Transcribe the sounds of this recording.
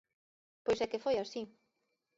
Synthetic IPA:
pojsɛkefojasi

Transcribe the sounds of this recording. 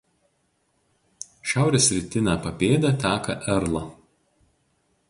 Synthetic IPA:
ʃʲæˑʊɾʲeːsʲɾʲɪt̪ʲɪnʲæːpɐpʲeːd̪ʲɛt̪ʲæːkɐʔɛɾlˠɐ

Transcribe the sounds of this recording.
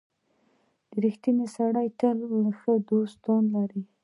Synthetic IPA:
d̪̥əɾixt̪inesaɽajt̪əlxəd̪ost̪ɑnlaɾi

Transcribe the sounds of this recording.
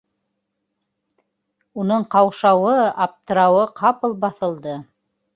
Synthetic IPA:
unɤɴqɑwʃɑwɤɑp̚t̪ɤ̆ɾɑwɤqʰɑpɤlˠbɑθɤ̆lˠd̪ɤ

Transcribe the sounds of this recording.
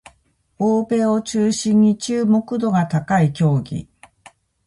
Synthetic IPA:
oːbe̞ːo̞t͡ɕɨːɕĩɲ̟ːit͡ɕɨːmo̞kɯ̟d̪o̞ɡat̪akaikʲo̞ːɡʲḭ

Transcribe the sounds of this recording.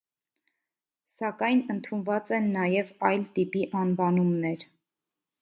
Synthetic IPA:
sɑkɑjnənt̪ʰunvɑt͡sɛnːɑjɛvɑjlt̪ipiʔɑnvɑnumnɛɾ

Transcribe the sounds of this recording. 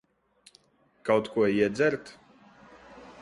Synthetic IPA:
kawt̪kuɔiɛd̪zʲɛɾt̪

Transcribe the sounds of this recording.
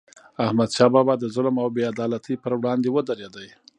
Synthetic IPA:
ahmad̪ʃɑbabad̪əzʊlmawbead̪ɑlat̪ʰəpəɾwɽɑnd̪ewəd̪aɾed̪əj

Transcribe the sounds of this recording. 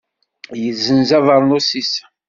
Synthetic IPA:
jəzːənzɑðˤəɾˤnosis

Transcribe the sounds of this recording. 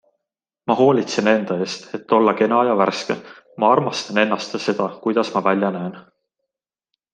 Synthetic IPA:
mɑɦo̞ːlʲit̪sene̞nd̪̥ɑe̞ːst̪e̞t̪ːo̞lːɑke̞nɑjɑværskḛ | mɑɑrmɑst̪ɑne̞nːɑst̪se̞d̪̥ɑkujd̪̥ɑsmɑvælʲjɑnæen

